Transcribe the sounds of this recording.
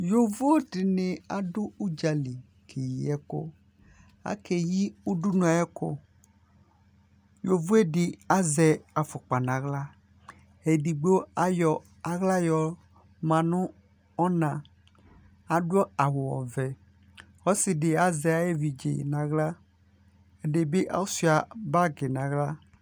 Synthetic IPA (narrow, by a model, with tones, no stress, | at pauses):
jo˨vo˦o˦ɖi˨ne˨a˨ɖo˦u˦d͡ʒa˨li˨ | kʰe˨ji˨ɛ˦ko̰˦ | a̰˦ke˨ji˦u˦ɖu˦nũ˨˦a˨˦ɛ˦ko̰˦ | jo˨vo˦e˦ɖɪ˨a˦zɛ˨a˨fɔ˨k͡pa˨nã˨ɣla˦ | e˨ɖi˨ɡ͡be˦wo˦a˦jɔ˨ | a˨ɣla˦jɔ˨ | mã˨nʊ̃˦ | ɔ˦nã˨ | a˨ɖu˦ɔ˦a˨wo˨wɔ̰˨vɛ˨ | xɔ˦si˨ɖe˨a˨zɛ˨a˨je˦vi˨d͡ʒḛ˨nã˨ɣla˦ | e˦ɖe˨be˦ʔa̰˦wo˦si˦a˨ba˦ɡe˨nã˨ɣla˦